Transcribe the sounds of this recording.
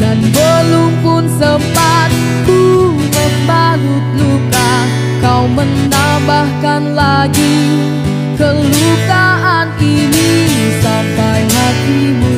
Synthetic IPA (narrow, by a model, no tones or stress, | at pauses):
danbəlumfʊnsəmpat̪̚ːu | nuk̚banut̪̚luka | kawmənːa | bahkanla | ɡi | kəlukaɦani | ni | sampajɦat̪i | mu